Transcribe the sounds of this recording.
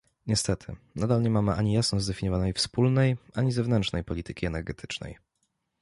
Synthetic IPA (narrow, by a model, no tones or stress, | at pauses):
ɲɛst̪ɛt̪ʰɘ̰nad̪alɲɛmamɘʔaɲijasnɔzd̪ɛfʲiɲɔvanɛjfspulnɛjʔaɲizɛvnɛnt͡ʂnɛjpɔlʲit̪ɘkʲiɛnɛɾɡɛt̪ʰɘ̥t͡ʂnɛ̰j